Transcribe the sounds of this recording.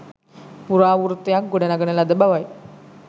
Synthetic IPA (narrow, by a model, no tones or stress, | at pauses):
puɾaʋuɾt̪jak̚ɡoɽanaɡənalad̪əbaʋaj